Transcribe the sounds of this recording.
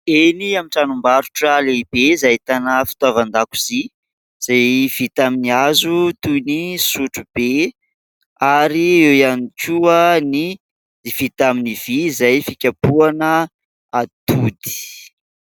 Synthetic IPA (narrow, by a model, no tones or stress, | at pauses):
eniamiʈ͡ʂanumbaɾuʈ͡ʂəleb̥ezajt̪anafi̥t̪avand̪aku̥z̥i | z̥ajv̥it̪aminiazut̪ujnisuʈ͡ʂub̥e | aɾiewjanikʲuəni | d̪iv̥it̪aminiv̥izajfikʲapuanə | at̪ud̪i̥